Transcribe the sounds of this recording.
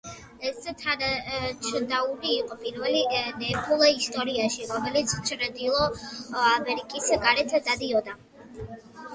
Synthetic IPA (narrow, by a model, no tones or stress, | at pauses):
ɛst̪ʰanat͡ʃʰd̪auɾiːqʼɔpʼiɾvɛlinɛpʰulˠaist̪ʼɔɾiaʃiɾɔmɛlit̪sʰt͡ʃʰɾɛd̪ilˠɔamɛɾikʼisɡaɾɛt̪ʰd̪ad̪iɔd̪a